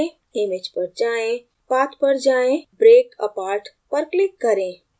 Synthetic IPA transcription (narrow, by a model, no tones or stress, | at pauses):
ẽ | emed͡ʒpəɾd͡ʒaːẽ | paːt̪ʰpəɾd͡ʒaːẽbɾeːkə̰paːɾʈ | pəɾklɪkːəɾẽ